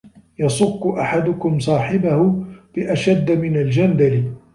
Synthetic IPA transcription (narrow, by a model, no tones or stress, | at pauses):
jɑsˤʊkːʊʔaħad̪ʊkʊmsˤɑːħɪbahʊb̥ɪʔaʃad̪ːmɪnald͡ʒamb̪alɪ